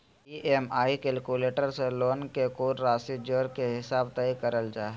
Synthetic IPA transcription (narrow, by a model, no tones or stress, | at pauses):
iʔemaːikeːlkuːleːʈəɾseloːnkekoːɾɾaːsid͡ʒoːɾkeɦɪsaːbt̪ɐikɐɾəld͡ʒaːɦ